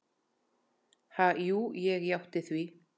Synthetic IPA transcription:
hajuːjɛɣjawht̪ɪθvi

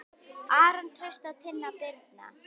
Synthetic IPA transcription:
aːɾant̪ʰɾest̪at̪ʰɪnːapɪɾt̪̚na̰

